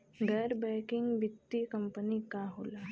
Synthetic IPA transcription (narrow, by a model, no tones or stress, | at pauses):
ɖɛɾbɛːkɪ̃ŋɡʋɪt̪ːikɐmpənikaɦoːla